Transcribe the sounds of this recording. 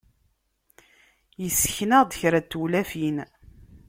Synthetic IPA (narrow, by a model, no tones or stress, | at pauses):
jəsːə̥çnəʁd̪əçɾæt̪ːulæfin